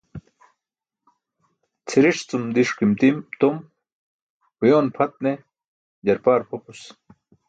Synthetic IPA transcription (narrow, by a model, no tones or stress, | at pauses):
t͡sʰiɾiʂt͡sumd̪iʂkimt̪imt̪om | hujoːnpʰɐt̪̚ne | d͡ʑɐɾpaːɾpʰopus